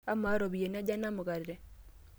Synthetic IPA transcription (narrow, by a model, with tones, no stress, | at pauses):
a˦ma˦ɾo˨bi˨e˨na˦d͡ʒa˦na˦mʊ˨ɡa˨dɾɛ˨